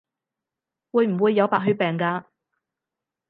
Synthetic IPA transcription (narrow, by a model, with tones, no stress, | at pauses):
wuː˨˧jm̩˨˩wuː˨˧jːɐ˨˧wpaː˨k̚ɦɵ˧˥pɛː˨ŋkaː˧